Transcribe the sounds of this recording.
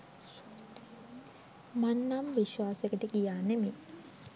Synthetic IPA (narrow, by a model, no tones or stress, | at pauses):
manːamʋiʃwaːsekəʈikijaːneme